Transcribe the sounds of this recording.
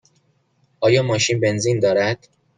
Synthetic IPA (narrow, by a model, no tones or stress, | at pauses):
ʔɒːjɒːmɒːʃinbe̞nziːnd̪ɒːɾæd̪̥